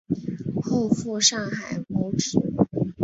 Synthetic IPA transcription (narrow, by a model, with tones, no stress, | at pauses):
xo˥˧ʊfu˥˧ʂɑ˥˩ŋxa˨˩ɪmo˧˥ʊʈ͡ʂ̩˨˩˦